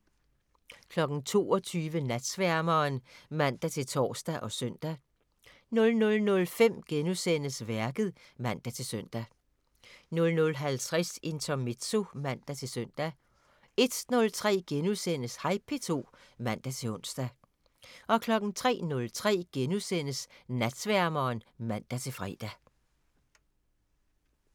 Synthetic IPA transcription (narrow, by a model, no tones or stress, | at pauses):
kʰlɒ̽ɡ̥n̩t͡sʰo̝̰ːɒ̽t͡sʰyːʋənæd̥sʋæɐmɐːnmæn̰d̥æt͡sʰe̝lt͡sʰɒ̰ːsd̥æʔɒ̽sœn̰d̥æ | nɔ̽lnɔ̽lnɔ̽lfem̰ɡ̥enusen̰əsʋæɐɡ̥ð̩ˠ | mæn̰d̥æt͡sʰe̝lsøn̰d̥æ | nɔ̽lnɔ̽lɦælt͡sʰʁɛse̝nt͡sʰɒme̝d̥so̝mæn̰d̥æt͡sʰe̝søn̰d̥æ | e̝d̥nɔ̽lt͡sʰʁɛ̰ːɡ̥enusenəshɑ̈ɪpʰe̝t͡sʰo̝̰ː | mæn̰d̥æt͡sʰe̝ɔ̽n̰sd̥æ | ʔɒ̽kʰlɒ̽ɡ̥n̩t͡sʰʁɛ̰ːnɔ̽lt͡sʰʁɛ̰ːɡ̥enusen̰əsnæd̥sʋæɐmɐːnmæn̰d̥æt͡sʰe̝fʁɛ̰ːd̥æ